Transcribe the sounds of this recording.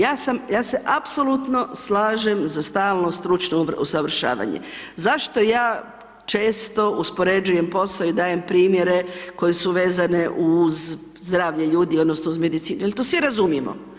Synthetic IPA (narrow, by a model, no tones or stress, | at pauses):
jaːsamjaːse̞ʔapsolut̪no̞slaːʒemzast̪aːlˠnost̪ɾut͡ʃnoṵsaʋr̩ʃa̰ːʋa̰ɲḛzaʃt̪o̞jaː | t͡ʃeːst̪o̞ʔuspo̞ɾe̞d͡ʒuje̞mpo̞slaoid̪aːjempɾiːmjeɾe̞ko̞jesuʋe̞ːzane̞ʔuz | zd̪ɾaːʋʎeʎuːd̪iod̪nosnouzme̞d̪it̪siːnujelt̪oːsʋiɾazumjimo̰